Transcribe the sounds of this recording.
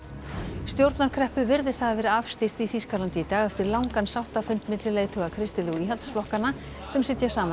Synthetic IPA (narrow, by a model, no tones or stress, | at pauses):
st̪jowɾt̪naɾkʰɾɛhpʏvɪɾðɪst̪θaðavɛːɾɪafst̪ir̥t̪iθiːskaɾlant̪iːt̪aːɣɛft̪ɪɾlawŋkansawht̪afʏnt̪mɪt̪lɪleːjɣt̪ʰœɣakʰɾɪst̪ɪlɪwiːɦɛlt̪sflɔhkanːa | sɛmsɪt̪jasaːman